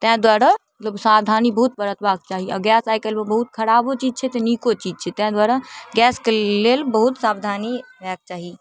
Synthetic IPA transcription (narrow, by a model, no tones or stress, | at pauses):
t̪ə̃d̪waɾamət̪ləbsabd̪ʱanibəɦut̪̚bəɾət̪bak̚t͡ʃaɦiɔ̰ɡɛsajkelmebəɦut̪kʰəɾabot͡ʃid͡ʒt͡ʃʰɛt̪enikot͡ʃid͡ʒt͡ʃʰɛt̪ɛ̃d̪waɾaɡɛskelelbəɦut̪sabd̪ʱaniɾɛk̚t͡ʃaɦi